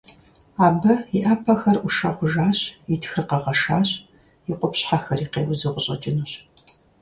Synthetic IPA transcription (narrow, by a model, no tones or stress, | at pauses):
aːbɐiʔaːpʰɐxɐrʔʷʊʂɐʁʷʊʒaːɕjɪtxɨrqɐʁɐʃaːɕʼ | jiqʷʊpɕħaxɐriːqeːwʊzɨʁʷʊɕʼɐt͡ʃʼɪnuːɕ